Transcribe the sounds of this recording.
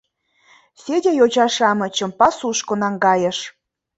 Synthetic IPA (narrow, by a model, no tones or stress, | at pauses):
sʲedʲejot͡ɕɑʃɑmɤ̆t͡ɕə̆mpɑsuʃkonɑŋɡɑjə̆ʃ